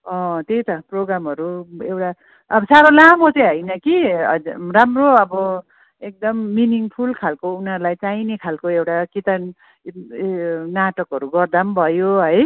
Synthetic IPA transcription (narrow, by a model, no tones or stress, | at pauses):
ʌ̃t̪ejt̪ʌproɡɾamɦʌɾuewʈa | ʌbʌsaɾolamot͡sʌj̃ɦʌjnʌkiʌramroʌbʌ | ek̚d̪ʌmːiniŋpʰulkʰalkounʌɾlajt͡sainekʰalkoewʈakit̪a | naʈʌkɦʌɾuɡʌrd̪ambʱʌjoɦʌj